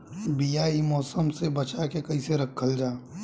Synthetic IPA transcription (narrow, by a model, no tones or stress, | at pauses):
bijaimɔːsəmsebɐt͡ʃakekɐiseɾɐkʰːəld͡ʒaː